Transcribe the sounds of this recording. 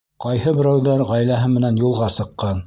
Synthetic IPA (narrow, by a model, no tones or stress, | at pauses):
qɑjhɤbɘ̆ɾæwðæɾʁæjlæɦɘmɘ̆nænjulˠʁɑsɤ̆qːɑn